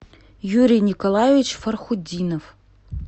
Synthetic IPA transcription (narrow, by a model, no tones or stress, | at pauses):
juɾʲijnʲikolˠajevʲit͡ɕfərχudʲinof